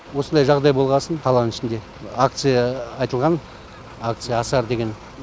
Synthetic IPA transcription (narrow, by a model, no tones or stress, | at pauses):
wo̞sənd̪ɑjʒɑʁd̪ɑjbo̞lˠʁɑsənqʰɑlˠɑnənɪʃɪnd̪e̞ | ak̚t̪sɨjɑɑjt̪əlˠʁɑn | ak̚t̪sɨjaːsɑɾd̪e̞ɡʲe̞n